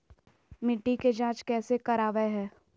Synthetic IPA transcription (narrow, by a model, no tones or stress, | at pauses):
mɪʈːiked͡ʒãːt͡ʃkɛːsekɐɾaːʋeɦɛː